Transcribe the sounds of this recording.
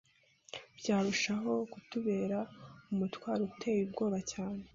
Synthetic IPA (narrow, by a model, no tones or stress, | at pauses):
b̥ɟaːɾuʃaɦo̞kutuβe̞ːɾaumutwaːɾutʰe̞jubɡo̞ːβacaːne